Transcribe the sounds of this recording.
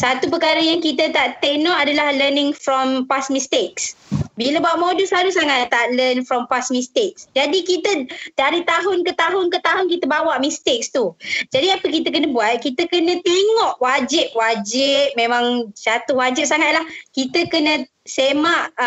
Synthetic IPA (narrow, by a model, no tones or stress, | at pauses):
sat̪up̬əkaɾəjaŋkit̪ət̪aʔt̪ɛk̚nɔʔadalahlənɪ̃ŋfɾɔmpasmist̪eksbiləbawaʔmoduslalusaŋat̪ːaʔlənfɾɔmpasmĩst̪ɪk̚sd͡ʒadikit̪ət̪əaɾit̪aɦʊnkət̪aɦʊnkət̪aɦʊnkit̪əbawaʔmĩst̪ɪk̚st̪ud͡ʒadiapəkit̪ək̬ənəbuat̪̚kit̪əkənə̃t̪eŋɔʔwad͡ʒɪp̚wad͡ʒɪp̚mẽmãŋt͡ʃat̪ʊhwad͡ʒɪp̚saŋat̪̚lahkit̪əkənə̃ | semaʔ